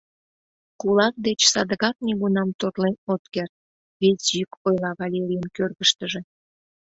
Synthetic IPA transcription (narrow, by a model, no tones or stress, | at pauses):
kulɑk̚d̪et͡ɕsɑd̪əɣɑk̚neɣunɑmt̪orlenot̪kert̪̚ | βet͡sʲykojlɑβɑlʲeɾʲijənkørɣəʃt̪əʒe̽